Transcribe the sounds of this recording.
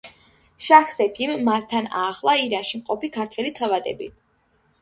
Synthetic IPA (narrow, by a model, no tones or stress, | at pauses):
ʃaχsɛpʰimːast̪ʰana̰ːχlˠaiɾanʃimqʼɔpikʰaɾt̪ʰwɛlit̪ʰavad̪ɛ̰bḭ